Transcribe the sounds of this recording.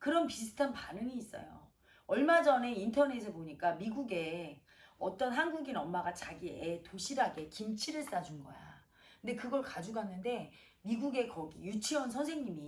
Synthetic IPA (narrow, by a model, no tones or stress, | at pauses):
kɯɾʌnpisʰɯ̥tʰanpanɯŋiːs͈ʌ̰jo̰ | ʌɭmad͡ʑʌne̞intʰʌne̞s̬ʰʌpoɲik͈amiɡuɡe̞ | ʌt͈ʌnɦanɡuɡinʌmːaɡat͡ɕaɡietoɕʰiɾaɡe̞kimt͡ɕʰiɾɯɭs͈ad͡ʑunɡʌ̰ja̰ | kɯnde̞kɯɡʌɭkad͡ʑuɡɦanːɯnde̞ | miɡuɡe̞kʌɡijut͡ɕʰiwʌnsʰʌnsʰe̞ŋɲimi